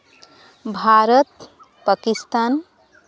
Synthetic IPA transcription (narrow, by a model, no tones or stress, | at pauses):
bʱaɾət̪ | pəkist̪aːn